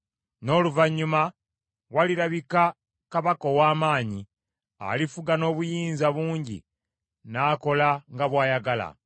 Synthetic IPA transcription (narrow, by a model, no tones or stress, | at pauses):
no̞ːluvaɲːuma | waliɾaβika | kaβako̞waːmaːɲi | a̰lifuɡano̞ːβujiːnzaβuːɲɟḭ | naːko̞laŋɡaβwaːjaɡala̰